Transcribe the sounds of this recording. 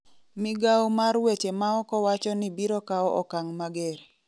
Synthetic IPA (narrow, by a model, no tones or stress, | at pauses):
mɪɡawmaɾwet͡ʃemaɔkɔwat͡ʃɔnibiɾɔkaɔʔɔkaŋmaɡɛɾ